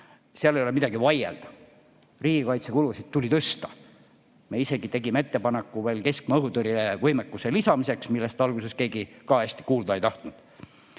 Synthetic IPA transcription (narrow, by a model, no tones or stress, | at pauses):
seɑlejolemid̪ɑɡ̥ivɑjḛld̪̥ɑ | riːɡ̥ikɑjt̪se̞kulusid̪̥̚t̪ulʲit̪ɤst̪ɑ̥ | me̞ise̞ɡit̪e̞ɡimee̞t̪ːe̞pɑnekːˑuve̞ːlke̞skmɤɦut̪ɤɾilevɤjmekːuselisɑmise̞ksmilːe̞st̪ɑlɡ̥use̞ske̞ːɡikɑesʲt̪i̥kuːld̪ɑe̞jt̪ɑht̪nud̪̥